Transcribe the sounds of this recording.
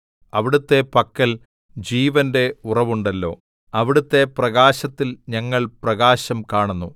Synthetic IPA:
ɐʋiɽut̪ːe̞pɐkːɐl | d͡ʑiːʋɐnde̞urɐʋuɳɖɐlːo̞̰ː | ɐʋiɽut̪ːe̞prɐɣaːɕɐt̪ːilɲɐŋːɐɭprɐɣaːɕɐmkaːɳunːu

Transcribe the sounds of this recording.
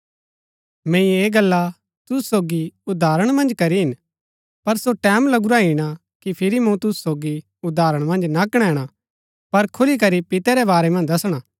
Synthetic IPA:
mɛ̃ːĩeːɡɐlːa | t̪ʊsusoːɡiʊd̪ʱaːɾəɽ̃mɐ̃nd͡ʒkɐɾiɦɪn | pɐɾsoʈɛːmlɐɡuɾaɦiɽ̃a | kipʰɪɾimũt̪ʊsu̥soːɡi | ʊd̪aːɾəɽ̃mɐ̃nd͡ʒnakəɽ̃ɛ̃ɽ̃a | pɐɾkʰʊlik̬ɐɾipɪt̪ɛɾɛbaːɾɛmɐ̃nd͡ʒd̪ɐsɽ̃a

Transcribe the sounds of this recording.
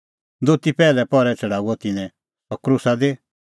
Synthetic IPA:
d̪ot̪ipɛːlɛpɔɾɛt͡sʰɐɽaːuɔt̪ɪnɛ̃ | ɔɾkɾʊsad̪e

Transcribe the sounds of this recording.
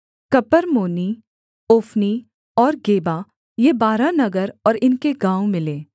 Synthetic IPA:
kɐpəɾmoːni | oːfni | ɔːɾɡeːba | jebaːɾanɐɡəɾɔːɾɪnkeɡãːomɪleː

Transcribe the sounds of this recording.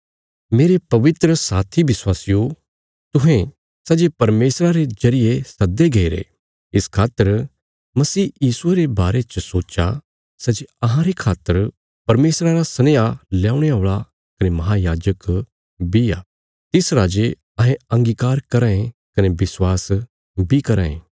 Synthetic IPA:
meːɾepɐʋɪt̪ɾəsaːt̪ʰibɪswaːsɪjo | t̪ʊɦẽ | sɛd͡ʒepɐɾmeːsɾaɾezɐɾɪjesɐd̪ːeɡeiɾḛ | ɪskʰaːt̪ːəɾ | mɐsiːjiːsueɾebaːɾet͡ʃəsoːt͡ʃa | sɐd͡ʒeɐɦãɾekʰaːt̪ːəɾ | pɐɾmeːsɾaɾasɐneːalɛːʊɽ̃eoːɭa | kɐnemɐɦajaːd͡ʒək | bijaː | t̪ɪsɾaːd͡ʒe | ɐ̃ɦẽɐ̃ŋɡiːkaːɾkɐɾãːẽkɐnebɪswaːs | bʱikɐɾaːḛ̃ː

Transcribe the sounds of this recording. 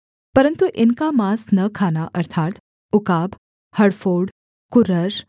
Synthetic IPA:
pəɾənt̪uʔinkamasnəkʰanaʔəɾt̪ʰat̪ | ukab | həɽfoːɽ | kuɾəɾ

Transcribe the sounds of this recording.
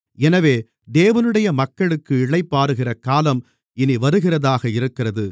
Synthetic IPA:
ɛnɐʋeː | d̪eːʋɐnɯɽɐjɐmɐkːɐɭɯkːɯɪɭɐɪpːaːɾɯɣɪrɐkaːlɐm | ɪniʋɐɾɯɣɪrɐðaːɣɐɪɾɯkːɪrɐðɯ

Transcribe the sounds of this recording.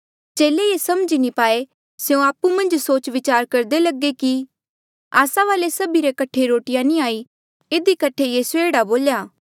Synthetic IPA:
t͡ʃeːlejesɐmd͡ʒinipaːe | seõaːpumɐ̃nd͡ʒsoːt͡ʃʋɪt͡ʃaːɾkɐɾd̪elɐɡeki | aːsaʋaːlesɐbiɾekɐʈʰeɾoːʈɪjãnĩaːi | ed̪ikɐʈʰejesueːɽaboːljaː

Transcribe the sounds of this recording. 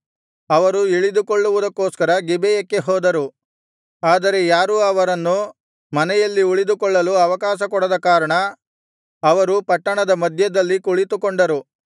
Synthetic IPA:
ɐʋɐɾuiɭid̪ukoɭːuʋud̪ɐkːoːskɐɾɐɡibɛjɐkːe̞ɦɔːd̪ɐɾu | aːd̪ɐɾe̞jaːɾuɐʋɐɾɐnːu | mɐnɛjɐlːiuɭid̪ukɔɭːɐluɐʋɐkaːʃɐkɔɽɐd̪ɐkaːɾɐɳɐ | ɐʋɐɾupɐʈːɐɳɐd̪ɐmɐd̪ʱjɐd̪ɐlːikuɭit̪ukoɳɖɐɾu

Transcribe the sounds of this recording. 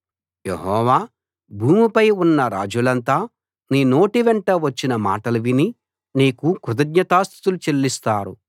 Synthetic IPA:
jeɦɔːʋaː | bʱuːmipɐjunːɐɾaːd͡ʒulɐnt̪aː | niːno̞ːʈiʋeɳʈɐʋɐt͡ʃːinɐma̰ːʈɐlɐʋini | niːkukɾud̪ɐɡɲɐt̪aːst̪ʰi̥t̪ulut͡ʃelːist̪aːɾṵ

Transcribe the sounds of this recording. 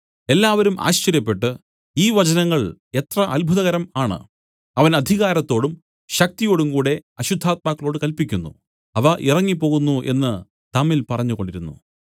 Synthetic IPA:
e̞lːaːʋɐɾumʔa̰ːɕt͡ɕɐɾjɐpːe̞ʈːɨ | iːʋɐt͡ɕɐnɐŋːɐɭ | e̞t̪rɐʔɐlbʱuðɐɣɐɾɐmaːɳɨ̰ | ɐʋɐnɐd̪ʱiɣaːɾɐt̪ːo̞ːɽum | ɕɐk̚t̪ijo̞ːɽumkuːɽe̞ɐɕud̪ʱːaːt̪̚maːkːɐɭo̞ːɽɨkɐlpikʲːunːṵ | ɐʋɐʔirɐŋːipːo̞ːɣunːuʔe̞̰nːɨ | t̪ɐmːilpɐrɐɲːuɣo̞ɳɖiɾunːṵ

